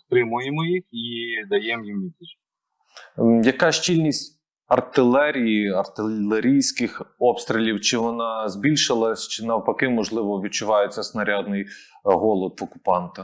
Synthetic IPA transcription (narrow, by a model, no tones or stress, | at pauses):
spɾɪmʊjemɔjixid̪ɐjɛmjimʋʲit̪ʲit͡ʃ | jɐkɑʃt͡ʃilʲnʲisʲtʲ | ɐrt̪ɪlˠɛɾʲijiɐrt̪ɪlˠeɾʲijsʲkɪxɔpst̪ɾʲilʲiwt͡ʃɪʋɔnɑzʲbʲilʲʃɪlˠɐsʲt͡ʃɪnɐwpɐkɪmɔʒlˠɪʋɔʋʲid̪̚t͡ʃʊʋɑjet͡sʲːɐsnɐɾʲɑd̪nɪjɦɔlˠɔd̪ʋɔkʊ̥pɑnt̪ɐ